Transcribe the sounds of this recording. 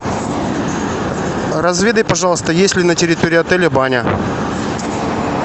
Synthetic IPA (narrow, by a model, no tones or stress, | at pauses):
rɐzvʲed̪əjpɐʐɑlˠəst̪əjesʲlʲɪnətʲɪɾʲɪt̪oɾʲɪɐt̪ɛlʲɪbanʲə